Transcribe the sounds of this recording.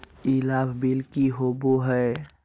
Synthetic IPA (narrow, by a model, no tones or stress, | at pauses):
ilabʱbilkiɦoboɦɛ